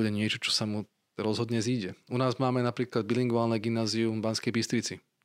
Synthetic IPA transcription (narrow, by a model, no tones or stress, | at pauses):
dɛɲɪɛt͡ʃɔt͡ʃɔ̥samu | ɾɔzɦɔd̪ɲɛziːɟɛʔunaːzmaːmɛnapɾiːklad̪̚biliŋɡʊʋaːlnɛɡimnaːziubanskɛjbist̪ɾit͡si